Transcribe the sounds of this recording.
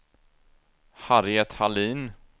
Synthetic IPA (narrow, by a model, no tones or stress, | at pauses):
haɾɪɛt̪haliːn